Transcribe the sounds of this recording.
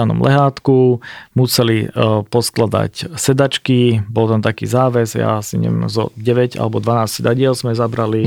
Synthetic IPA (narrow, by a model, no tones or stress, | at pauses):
anɔ̰mlʔɛ̰ɦaːt̪kumusɛlipɔsklad̪a̰csɛd̪at͡ʃkibɔlt̪amt̪akḭːzaːʋɛzja̰siɲɛ̰ʋɛ̰mzɔ̰ɟɛʋɛɟa̰lɛbɔd̪ʋanaːscsɛd̪aɟɪɛlzmɛzabɾali